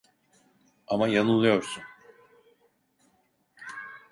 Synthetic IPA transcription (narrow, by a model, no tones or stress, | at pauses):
amajanulˠujoɾsun